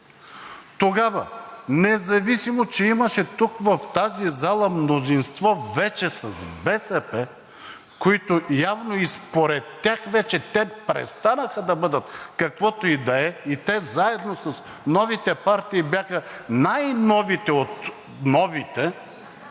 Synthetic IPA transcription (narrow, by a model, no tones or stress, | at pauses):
t̪oɡavɐ̰nɛzɐvisimot͡ʃɛiməʃɛt̪ukvɐft̪azizalˠəmnozinst̪vɔvɛt͡ʃɛsɐsbɛsɛpɛ | koit̪ojavnoispoɾɛt̪ːʲjaxvɛt͡ʃɛt̪ɛpɾɛ̰st̪anəxəd̪ɐbɤd̪ət̪kɐkvɔt̪oid̪ɐɛit̪ɛzaɛd̪nosɐs | nɔvit̪ɛpaɾt̪iːbjaxənajnɔvit̪ɛot̪ | nɔvit̪ɛ